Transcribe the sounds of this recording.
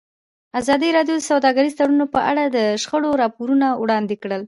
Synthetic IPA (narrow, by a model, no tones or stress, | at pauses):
azɑd̪iɾɑɖjod̪əsawd̪ɑɡaɾizt̪aɽunopəʔa̰ɽad̪əʃxəɽoɾɑpoɾunawɽɑnd̪ekɽəl